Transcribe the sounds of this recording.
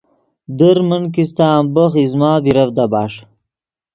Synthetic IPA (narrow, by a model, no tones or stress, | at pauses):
d̪əɾmənk̬is̬t̪aːmbəxizmaːbiɾɐvd̪abaːʂ